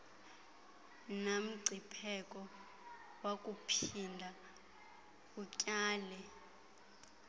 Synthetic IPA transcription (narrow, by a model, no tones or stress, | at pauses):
nam̩ɡ͡ǀʱipʰɛkʼɔ | wakʼupʰindʱa | ucʼaːlɛ